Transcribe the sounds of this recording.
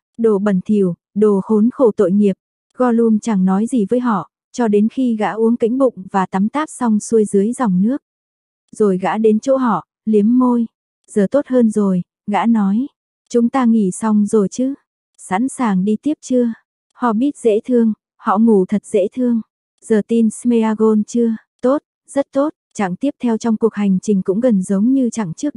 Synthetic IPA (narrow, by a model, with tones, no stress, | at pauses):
ɗo˧˩ɓə˨˩nt̪ʰi˧˩əw | ɗo˨˩xo˨˦nxo˧˩t̪o̰˧˨jŋi˨˩əp̚ | ɣɔ˧lu˧ənt͡ɕa˧˩ŋnɔ˨˦jzi˨˩vəː˨˦jɦɔ̰˧˨ | t͡ɕɔ˧ɗe˨˦nxi˧ɣa̰ː˧˥ʔu˨˦əŋkḭ˧˥ŋ̟ɓʊ̰˧˨ŋ͡mvaː˨˩t̪a˨˦mt̪aː˦˥p̚sa˧wŋ͡msu˧əjzɨ˨˦əjza˨˩wŋ͡mnɨ˦˥ək̚ | zo˨˩jɣa̰ː˧˥ɗe˨˦nt͡ɕo̰˧˥ɦɔ̰˧˨ | li˨˦əmːo˧j | z̥əː˨˩t̪o˦˥t̚həː˧nzo˨˩j | ɣa̰ː˧˥nɔ˨˦j | t͡ɕʊ˨˦ŋ͡mt̪aː˧ŋḭ˧˩sa˧wŋ͡mzo˨˩jt͡ɕɨ˨˦ | sa̰ː˧˥nsaː˨˩ŋɗi˧t̪i˦˥əp̚t͡ɕɨ˧ə | hɔ̰˧˨ɓi˦˥ət̚zḛ˧˥t̪ʰɨ˧əŋ | hɔ̰˧˨mu˨˩t̪ʰə˨˩t̚z̥ḛ˧˥t̪ʰɨ˧əŋ | zəː˨˩t̪i˧nsme˧aː˧ɣo˧nt͡ɕɨ˧ə | t̪o˦˥t̚ | z̥ə˦˥t̚t̪o˦˥t̚t͡ɕa̰˧˨ŋt̪i˦˥əp̚t̪ʰɛ˧wt͡ɕɔ˧wŋ͡mku˨˩ək̚ha˨˩jŋ̟t͡ɕï˨˩ŋ̟kʊ̰˧˥ŋ͡mɣə˨˩nzə˨˦wŋ͡mɲɨ˧t͡ɕa̰˧˨ŋt͡ɕɨ˦˥k̚